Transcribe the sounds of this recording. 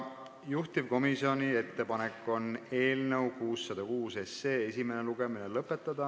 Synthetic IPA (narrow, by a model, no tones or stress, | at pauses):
juht̪ivko̞misio̞nie̞t̪ːe̞pɑnekːˑo̞ne̞ːlnəwkuːsːɑd̪̥ɑkuːse̞sːe̞ːe̞sʲime̞neluɡ̥e̞minelɤpːˑe̞t̪ˑːɑd̪̥ɑ